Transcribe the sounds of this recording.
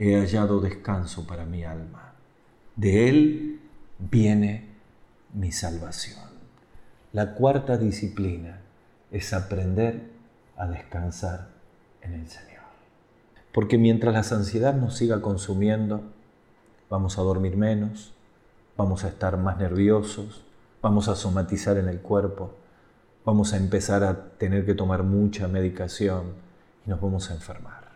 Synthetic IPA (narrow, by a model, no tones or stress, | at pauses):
e̞aʒaðo̞ðeskanso̞paɾamialma | d̪e̞el | bje̞ne̞ | misalβasjo̞n | lakwaɾt̪aðisiplina | esapɾend̪eɾ | að̞ehkansaɾ | ene̞lseɲoɾ | po̞ɾke̞mje̞nt̪ɾaslasansje̞ðaðno̞sːiɣako̞nsumje̞nd̪o̞ | βamo̞sað̞o̞ɾmiɾmẽ̞no̞s | b̥amo̞saest̪aɾmazneɾβjo̞so̞s | bamo̞saso̞mat̪isaɾe̞ne̞lkweɾpo̞ | βamo̞saempe̞saɾat̪e̞neɾke̞t̪o̞maɾmut͡ʃame̞ð̞ikasjo̞n | ino̞zβamo̞saeɱfeɾmaɾ